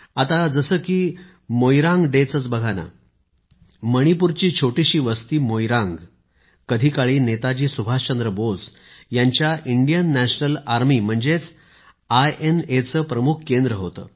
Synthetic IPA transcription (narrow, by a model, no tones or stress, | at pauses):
at̪ad͡zəsəːkiː | mojɾãŋɡɖet͡sət͡sbəɡʱana̰ | məɽ̃ipuɾt͡ɕiːt͡ɕʰoʈiɕiːʋəst̪iːmojɾãŋɡ | kəd̪ʱikaɭiːnet̪ad͡ʑiːsubʱast͡ɕənd̪ɾəbod͡z | jaɲt͡ɕjaʔiɳɖijənːæɕnəlaɾmiːm̤əɳd͡zet͡s | ajenet͡səːpɾəmukʰkend̪ɾəɦot̪ə̰ː